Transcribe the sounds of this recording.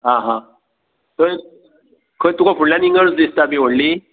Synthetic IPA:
ɦãɦã | t̪əɾ | kʰət̪ukafʰuɳlãniŋɡəɾsd̪ist̪abiʋ̤əɽli

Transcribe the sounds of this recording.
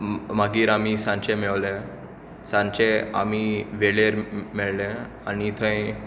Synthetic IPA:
maɡiːɾamisãɲt͡ɕemeɭle | sãnt͡ɕea̰miʋeɭeɾmeɭlẽ | anit̪ʰə̃j

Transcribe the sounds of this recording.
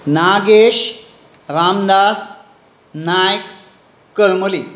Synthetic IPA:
naɡeɕ | ɾamnas | najkː | əlməli

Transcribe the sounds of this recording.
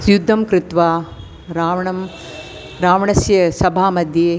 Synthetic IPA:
sjud̪ʱːɐmkɾɪt̪ʋaː | ɾaːʋɐɳɐm | ɾaːʋɐɳɐsjɐsɐbʱaːmɐd̪ʱjeː

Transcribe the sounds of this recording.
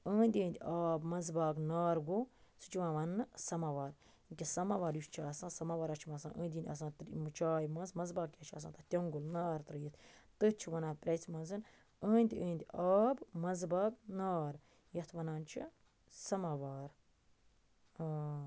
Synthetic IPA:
ə̃ːnd̪ʲə̃ːnd̪ʲiaːbmɐzbaːknaːɾɡosɨ̥t͡ʃiʋãːʋɐnːɨsɐmaːʋaːɾ | kʲisɐmaʋaːɾjuʃt͡ʃʰiɐsãːsɐmaːʋaːɾɐt͡ʃʰimɐsã̰ːʔə̰̃ːnd̪ʲiːnd̪ʲɐ̰s̬ãːt̪ɾmɨt͡ʃaːjmɐ̃nzmɐzbaːkjɐt͡ʃʰiɐ̰s̬ã̰ːt̪ɐt̪ʲɐŋɡulnaːɾt̪ɾɨjit̪ʰt̪ɨt͡ʃʰiʋɐnaːpɾʲɐsmɐnzɨn | ə̃ːnd̪ʲiə̃ːnd̪ʲiaːbmɐnzbaːknaːɾ | jɐt̪ʰʋɐnaːnt͡ʃʰi | sɐmaːʋaːɾ | əː

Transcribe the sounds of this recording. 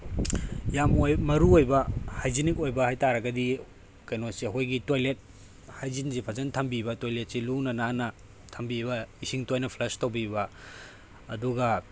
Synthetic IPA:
jamojmɐɾuojbɐhajzinikojbɐhajtaɾɐɡɐdi | kɐjnosiɐɦojɡitojlet̚ | hajzinzipʰɐzɐntʰɐmbibɐtojlet̚silunɐnanɐ | tʰɐmbibɐisiŋtojnɐpʰlɐstɐwbibɐː | duɡɐ

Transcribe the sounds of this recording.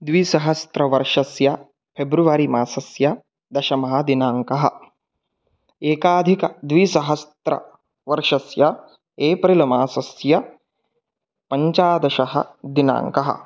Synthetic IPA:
d̪ʋisɐɦɐst̪ɾɐʋɐɾʂɐsjɐ | pʰebɾuʋaːɾimaːsɐsjɐ | d̪ɐʃɐmɐɦɐd̪inaːŋkɐɦɐ̰̆ | eːkaːd̪ʱikɐd̪ʋisɐɦɐst̪ɾɐ̰ | ʋɐɾʂɐsjɐ | eːpɾilɐmaːsɐsjɐ | pɐɲt͡ʃaːd̪ɐʃɐɦɐ̰d̪ina̰ːŋkɐɦɐ̰

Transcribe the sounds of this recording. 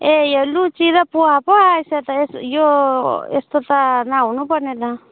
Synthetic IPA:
ejalut͡ʃidapuahapajsataijoestɔtanawnupaneta

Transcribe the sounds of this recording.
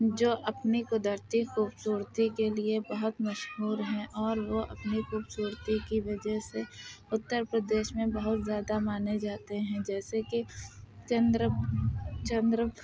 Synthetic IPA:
d͡ʒoːʔɐpnikʊd̪əɾt̪ixuːbsuːɾt̪ikeliebəɦʊt̪mɐʃɦuːɾɦɛ̃ʔɔːɾʋoʔɐ̰pnixuːbsuːɾt̪ikiʋɐd͡ʒɛɦseʊt̪ːəɾpɾəd̪eːʃmẽbəɦʊt̪zjaːd̪amaːned͡ʒaːt̪eɦɛ̃d͡ʒɛːsekit͡ʃə̃nd̪ɾə | t͡ʃə̃nd̪ɾə

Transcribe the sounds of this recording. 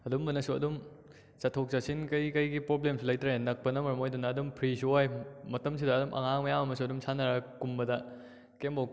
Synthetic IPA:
ɐdumbɐnɐsuɐ̰dum | t͡ʃɐtʰok̚t͡ʃasinkɐjkɐjɡipɾoblemslɐjtɾaɦenɐk̚pɐnɐmɐɾɐmojdunɐːdumpʰɾisuojmɐtɐms̬idɐːdumʔɐ̰ŋaŋmɐjamɐmɐs̬uɐdumsʰanɐɾɐkumbɐdɐ | kembo

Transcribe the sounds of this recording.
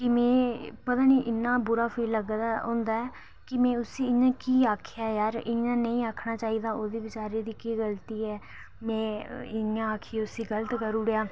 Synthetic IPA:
kɪmɛ̃ːpət̪aːniːʔɪnːãːbʊɾaːpʰeːləɡd̪aːɦʊ̃ːnd̪aːɛː | kɪmɛ̃ːʊsiːɪɲãːkiːaːkʰjaːjaːɾɪãːnəĩːaːkʰnaːt͡ʃaːiːd̪aːoːd̪eːʋɪt͡ʃaːɾeːd̪iːkiːɡəlt̪iːɛː | mɛ̃ːɪãːaːkʰieːʊsiːɡələt̪kəɾuːɽejaː

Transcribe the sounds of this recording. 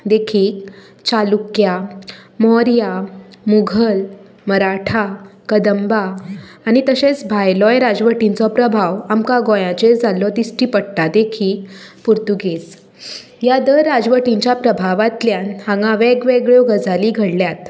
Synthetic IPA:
d̪ekʰiːk̚ | t͡ɕalukjamɔɾjamuɡʱəl | məɾaʈʰakəd̪əmbaːɽ̃it̪əɕet͡sbʱajlɔjɾad͡zʋəʈĩnt͡sɔpɾəbʱaʋamkaɡojãt͡ɕed͡zʱalɔt̪isʈipəɽʈ̪ad̪ekʰiːkpuɾt̪uɡiːs | jad̪əɾɾːad͡zʋəʈiɲt͡ɕjapɾəbʱaʋat̪ljãnhãŋɡãʋeɡʋeɡɭjoɡəd͡zaliːɡʱəɽljat̪

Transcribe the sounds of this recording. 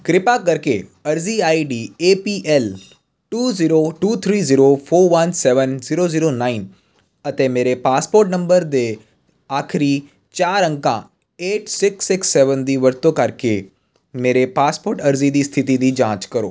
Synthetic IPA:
kɾɪpaːkəɾkeəɾziːaːiɖiːeːpiːʔɛːl | ʈuːziːɾoːʈuːt̪ʰɾiːziːɾoːpʰoːɾʋənsɛːʋənziːɾoːziːɾoːnaːin | ət̪eːmeːɾepaːspoːɾʈnə̃mbəɾd̪eː | aːkʰɾiː | t͡ʃaːɾə̃ŋkã̰ː | eːʈsɪksɪksːɛːʋənd̪iːʋəɾt̪õːkəɾkeː | meːɾeːpaːspoːɾʈəɾziːd̪iːst̪ʰɪt̪iːd̪iːd͡ʒãːt͡ʃkəɾo̰ː

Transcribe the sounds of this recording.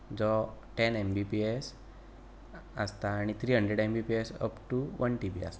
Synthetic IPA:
d͡zɔʈɛnembipies | əst̪aːɽ̃it̪ʰɾiːɦəɳɖɾeɽembipiesə̰pʈuʋənʈibia̰st̪a

